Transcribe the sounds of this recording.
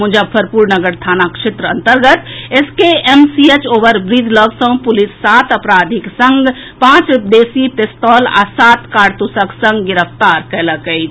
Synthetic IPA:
mũd͡ʒəpʰəɾpuɾnəɡəɾt̪ʰanakʃet̪ɾəənt̪əɾɡət̪eskeemsiet͡ʃoːʋəɾbɾid̪ʱləɡsə̃w̃pulisːat̪əpɾad̪ʱiksə̃ŋɡ | pãt͡ʃupd̪esipest̪ɔla̰sat̪kaɾt̪usəksə̃ŋɡɡiɾəpʰt̪aɾkɛləkəjt͡ʃʰ

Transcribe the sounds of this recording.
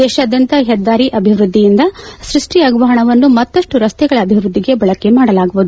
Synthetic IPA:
d̪ɛːʃaːd̪ɐnt̪ɐɦɛd̪ːaːɾiʔɐbʱiʋɾud̪ʱːijind̪ɐsɾiʂʈiɐɡʋɐːɦɐɳɐʋɐnːumɐt̪ːɐʂʈuɾɐst̪ɛɡɐɭɐːbʱiʋɾud̪ːiɡe̞bɐɭɐke̞maːɽɐlaːɡuʋud̪u

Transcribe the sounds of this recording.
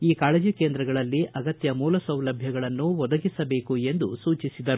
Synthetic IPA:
iːkaːled͡ʒikeːnd̪ɾɐɡɐɭɐlːiʔɐɡɐt̪jɐmuːlɐsɐwlɐbʱjɐɡɐɭɐnːuʋɔd̪ɐɡisɐbe̞ːkue̞nd̪usuːt͡ʃisid̪ɐɾu

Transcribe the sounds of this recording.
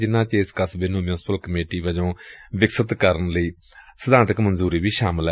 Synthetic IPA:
d͡ʒɪnãːt͡ʃɪskəsbɪnũːmjũːspəlkəmeːʈiːʋəd͡ʒõːʋɪksət̪kəɾənləiː | səd̪ãːnt̪əkmənzuːɾiːʋiːʃaːməl

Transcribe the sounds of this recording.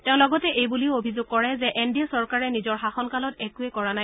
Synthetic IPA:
tẽʊ̃lɔɡɔtɛʔejbulioobʱizoɡ̚kːɔɹɛzɛʔendiasɔɹkaɹɛnizɔɹxaxɔnkalɔtɛkuɛkɔɹanaj

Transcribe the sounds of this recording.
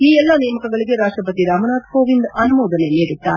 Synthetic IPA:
iːɛlːɐnɛjmɐkɐɡɐɭiɡe̞ɾaːʂʈɾɐpɐt̪iɾaːmɐnaːd̪koːʋind̪ɐnumɔːd̪ɐneleːɽit̪ːaːɾe

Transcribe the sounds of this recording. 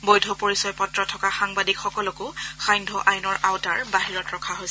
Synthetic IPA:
bojdʱɔpoɹisɔjpɔtɹɔtʰɔkaxaŋbadikxɔkɔlɔkʊxajndʱɔʔajnɔɹʔawtaɹbaɦiɹɔtɹɔkʰaɦojsɛ

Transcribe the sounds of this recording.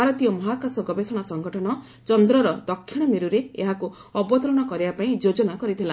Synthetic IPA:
aɾɔt̪ijɔmɔɦakasɔɡɔbesɔɽ̃asɔŋɡɔʈʰɔɽɔ | t͡ʃɔnd̪ɾɔɾɔd̪ɔkʰːiɽ̃ɔmiɾuɾeḛɦaku | ɔbɔt̪ɔɾɔɽ̃ɔkɔɾibapaĩd͡ʒod͡ʒɔnakɔɾit̪ʰila

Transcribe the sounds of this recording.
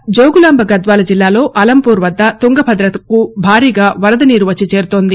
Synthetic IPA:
d͡ʒoːɡulaːmbʱɐɡɐd̪ʋaːlɐd͡ʒilːaːlo̞ːʔɐlɐmpuːɾʋɐd̪ːɐt̪uŋɡɐbʱɐd̪ɾɐt̪ɐkubʱaːɾiːɡaːʋɐɾɐd̪ɐniːɾuʋɐt͡ʃːit͡ʃe̞ːɾut̪o̞ːnd̪i

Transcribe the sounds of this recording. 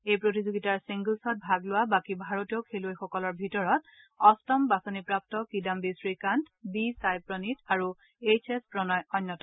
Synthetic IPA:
ejpɹotizoɡitaɹsiŋɡulsɔt̚bʱaɡlʊwabakibʱaɹotiokʰelojxɔkɔlɔɹbʱitɔɹɔt̚ | ɔstɔmbasɔnipɹap̚tɔkidambisɹikant | bisajpɹɔnitaɹu | et͡ʃʰespɹɔnɔjɔnːɔtɔ

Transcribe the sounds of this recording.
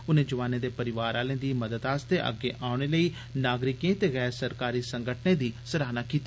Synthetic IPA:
ʊnẽːd͡ʒəʋaːnẽːd̪eːpəɾɪʋaːɾaːlẽːd̪iːməd̪əd̪aːst̪eːʔə̰ɡːeːʔaːʊɽ̃eːləiː | naːɡɾɪkẽːt̪eːɣɛːɾsəɾkaːɾiːsəŋɡəʈʰnẽːd̪iːsəɾaːnaːkiːt̪a

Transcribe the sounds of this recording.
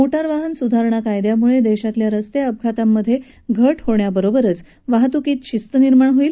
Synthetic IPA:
oʈaɾʋaɦənsud̪ʱaɾɳakajd̪jamuɭed̪eɕat̪ljaɾəst̪eəb̚ɡʱat̪amːəd̪ʱːje | ɡʱəʈhoɳjabəɾobəɾət͡s | ʋaɦt̪ukiːt̪ɕist̪əniɾmaɳɦoiːl

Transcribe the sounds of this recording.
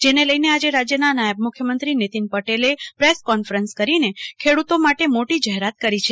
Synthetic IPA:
d͡ʒeneləjnead͡ʒeɾad͡ʒjənanajəb̚mʊkʰjəmənt̪ɾinet̪inpəʈelepɾeskɔnfɾənskəɾinekʰeɽut̪omaʈemoʈid͡ʒaɦeɾat̪̚kəɾit͡ʃʰe

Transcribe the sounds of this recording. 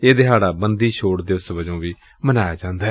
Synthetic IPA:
eːd̪ɪɦaːɽaːbənd̪iːʃʰoːɽd̪ɪʊsbəd͡ʒõːʋiː | mənaːjaːd͡ʒãːnd̪aːɛː

